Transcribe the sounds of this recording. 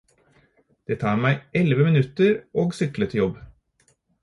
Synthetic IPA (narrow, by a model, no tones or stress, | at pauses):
d̪̥eːt̪ʰɑːɾmæɪʔɛlʋəmɪnʉt̪əɾoːɡsʏklət̪ʰɪjɔb